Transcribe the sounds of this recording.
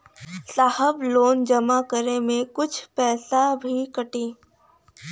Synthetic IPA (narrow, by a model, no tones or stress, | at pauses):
saːhəbloːnd͡ʒɐmakəɾemẽkʊt͡ʃʰpɛːsabʱikɐʈiː